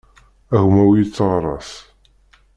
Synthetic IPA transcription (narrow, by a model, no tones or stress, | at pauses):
æɣmæwjit͡sːəʁɾˤɑ̰s